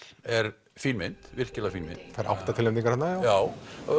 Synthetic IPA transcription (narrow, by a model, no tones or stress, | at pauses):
ɛɾ | fiɾmɪn̥t̪vɪr̥cɪlafiɾmɪ̰nt̪θajɾʔa̰wht̪at̪ʰɪlɛmt̪iŋkaɾhanːajajaːw